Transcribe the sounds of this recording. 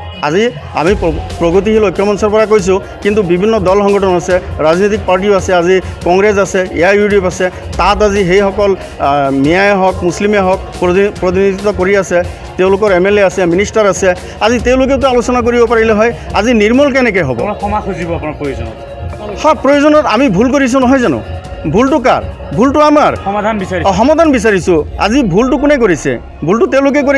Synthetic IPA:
a̰zi | a̰mippɹɔɡot̪̬iɦilɔjkːɔmɔnsɔɹpɔɹak̬ojs̬ʊ̃ | kint̪ubibʱinːɔd̪ɔlxɔŋɡɔʈʰɔnasɛɹaznot̪ik̚paɹʈ̬ioasɛazikɔŋɡɹes̬asɛḛajuɖjopasɛ | tataziɦejxɔkɔl | mijajɦɔkmuslimɦɔk̚ppɹɔt̪̬inid̪it̪ɔkoɹiasɛ | teʊlʊkɔɹɛmeleasɛminisʈaɹasɛ | aziteʊ̃lʊk̬et̬ʊalosɔnak̬oɹibɔpaɹilɛɦɔja̰ziniɹmɔlkɛnɛk̬ɛjɦɔ̰bɔ̰kʰɔmakʰuzibɔapunapɹojozɔnɔ̰t | hɔpɹɔjozɔnɔtamibʱulk̬oɹis̬ũnɔɦɔjzanʊ̰ | bʱultʊka̰ɹ | bʱultʊamaɹɔmad̪ʱanbisaixɔmad̪ʱanbis̬aɹisʊa̰zibʱultʊkʊnɛkoɹisɛ̰ | bʱultʊteʊ̃lʊk̬ɛk̬oi

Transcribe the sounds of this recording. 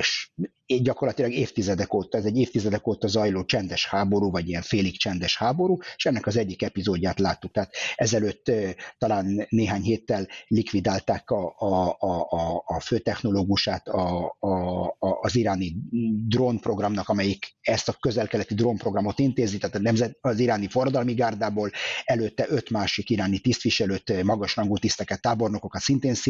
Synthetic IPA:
eʃ | ɟɒko̞rlɒt̪ilɒɡeːft̪izɛd̪ɛkoːt̪ɒɛzɛɟːeːft̪izɛd̪ɛkoːt̪ɒzɒjloːt͡ʃɛnd̪ɛʃhaːbo̞ɾuːvɒɟijɛɱfeːlikt͡ʃɛnd̪ɛʃhaːbo̞ɾuːeʃɛnːɛkɒzɛɟːikɛpizoːɟːaːt̪laːt̪ːuk̚t̪ɛːt̪ɛzɛløːt̪ːɒlaːnːeːɦaːɲɦeːt̪ːɛlːikʋid̪aːlt̪aːkɒɒː | føːt̪ɛxno̞loːɡuʃaːt̪ɒ | ziɾaːnid̪roːnpro̞ɡrɒmnɒkɒmɛjikɛst̪ɒkø̞zɛlkɛlɛt̪id̪rompro̞ɡrɒmo̞t̪int̪eːzit̪aːt̪ɒnɛmzɛɒziɾaːnifo̞rːɒd̪ɒlmiɡaːrd̪aːboːlɛløːt̪ːɛʔø̞t̪maːʃikiɾaːnit̪ist̪ʋiʃɛløːt̪mɒɡɒʃrɒŋɡuːt̪ist̪ɛkɛt̪ːaːbo̞rno̞ko̞kɒt̪sint̪eːns

